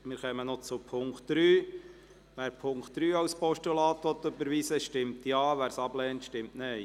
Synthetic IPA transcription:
mɪːɾχœmənɔt͡sʊpʰʊŋktd̥ɾyː | ʋæːɾpʰʊŋkt̚d̥ɾyːɑwspɔʃtulɑːt̪ʋɔt̪ːøbəɾʋiːsəʃtɪmt̪jɑːʋæːɾsɑblɛːntʃtɪmtnɛɪ

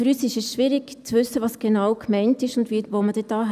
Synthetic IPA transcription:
fyɾyːsɪʃɛsʃʋiːɾɪɡ̥t͡svʏsːəvɑːsɡ̥enaʊkmɛɪntɪʃʊndviːvoːməd̥ɛd̥ɑːɦ

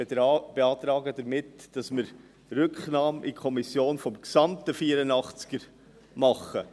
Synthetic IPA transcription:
b̥eɑːt̪ɾɑːɡədəɾmɪtd̥ɑsmɪɾ | rʏkχnɑːmʔikʰɔmisjoːnfɔmksɑmtəfiːəɾənɑχt͡skəɾ | mɑχːə

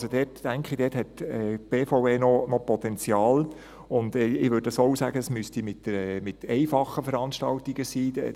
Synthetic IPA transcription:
sodɛːtːæŋkχɪdɛːthɛtɛb̥eːfoeːnɔnɔpɔt̪ɛnt͡sjɑːl | ʊndɛɪʋʏɾdɑsoʊsæ̰ːɡəəsmystimɪtəɛmɪtɛɪfɑχəfəɾɑnʃtɑ̰ltiɡ̥əsiːɛ̰

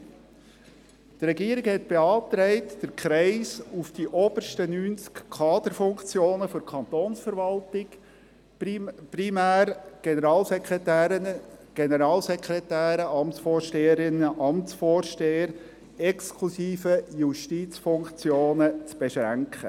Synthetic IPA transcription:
t̪rɾɛɡiːəɾɪɡhɛtb̥eɑːpt̪ɾɛɪtd̥əɾkʰɾɛɪsufd̥iʔɔb̥ərʃtənyːnt͡skkʰɑːd̥̪əɾfʊŋkt͡sjoːnəfɔɾkʰχɑnt̪oːnsfəɾvɑltɪk | pɾimæːɾɡ̥enəɾɑːlsɛkɛtæːɾəɡ̥enəɾɑːlsɛkχɾɛtæːɾəʔɑmtt͡ssfoːrʃteːəɾɪnːəʔɑmtt͡sfoːɾʃteːəɾ | ɛkskʰlusiːfəjuʃtiːt͡sfʊŋkt͡sjoːnət͡sb̥eʃɾæŋkχə̰

